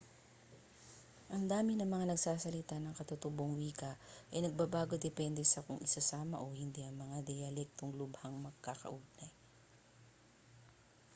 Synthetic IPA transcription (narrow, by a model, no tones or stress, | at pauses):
ʔɐŋd̪aːmɪnɐŋmɐŋanɐɡsaːsɐlɪt̪anɐŋkɐt̪ot̪ʊboŋwiːkɐʔɐjnɐɡ̚babaːɡo̞d̪ɛpɛnd̪ɛsɐkʊŋɪsɐsaːmɐ̰ʔohɪnd̪iʔɐŋmɐŋad̪ɛjɐlɛk̚t̪oŋlʊbhɐŋmɐɡ̚kakɐ̰ʔʊb̚nɐj